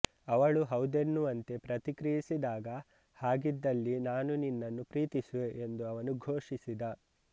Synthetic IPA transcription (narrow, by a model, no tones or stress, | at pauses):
ɐʋɐɭuɦɐwd̪enːuɐnt̪e̞pɾɐt̪ikɾijisid̪aːɡɐ | haːɡid̪ːɐlːinaːnuninːɐnːupɾiːt̪isuʋe̞ʔend̪uɐʋɐnuɡʱoːʂisid̪ɐ